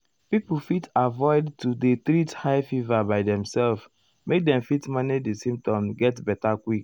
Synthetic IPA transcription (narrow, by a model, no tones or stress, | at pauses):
pipl̩ˠfitavɔɪdtudet̪ɾithaɪfivabaɪdɛ̃msɛlf | mek̚dɛ̃mfitmanidisĩmp̚tɔ̃mɡɛtbɛtakwik̚